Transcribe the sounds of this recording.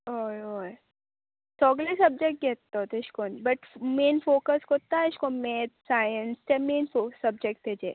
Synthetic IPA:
ojo | soɐɡlesɐb̚d͡ʒek̚ʈ̚ɡet̪ːeot̪eɪʃkonbɐʈmeːnfoːkəskot̪aɪʃkomet̪saːjənst͡ʃemeːnfosɐb̚d͡ʒek̚ʈ̚d̪ed͡ʒeː

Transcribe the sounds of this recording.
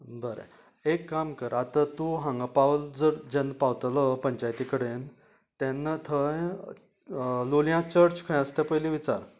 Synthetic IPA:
bəɾḛ | ekːamkəɾat̪at̪uɦãŋɡapaʋld͡zəɾd͡ʑẽnpaʋt̪ləpəɲt͡ɕajt̪ikəɽen | t̪ɛnːət̪ʰəj | luljãt͡ɕəɾt͡skʰə̃j̃əst̪epəjliʋit͡sa̰ɾ

